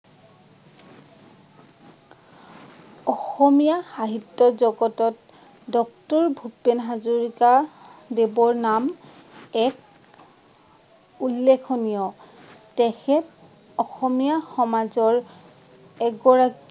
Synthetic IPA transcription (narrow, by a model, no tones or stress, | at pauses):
ɔxɔmijaxaɦitːɔzɔɡɔtɔt | dɔk̚tɔɹbʱupːenɦazuɹikadebɔɹnam | ɛk | ulːekʰɔnijɔtɛxʰɛt | ɔxɔmijaxɔmazɔɹ | ɛɡɔɹak